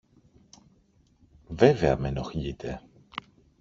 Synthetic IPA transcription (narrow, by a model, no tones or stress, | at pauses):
veveɐ̰menoxʎit̪ʰe